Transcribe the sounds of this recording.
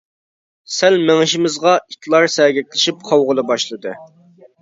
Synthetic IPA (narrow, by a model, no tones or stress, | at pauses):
sælmeŋɪʃimɪzʁɑit̪ʰlˠɑɾsɛɡʲɛkʲlɪʃip̚qʰɑwʁʊlˠɨbɑʃlˠɨd̪ɨ